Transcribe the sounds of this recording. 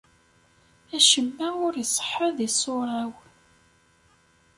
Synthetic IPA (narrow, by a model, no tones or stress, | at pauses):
æʃəmːæʊɾjsˤːə̥ħːəðisˤːoɾˤɑw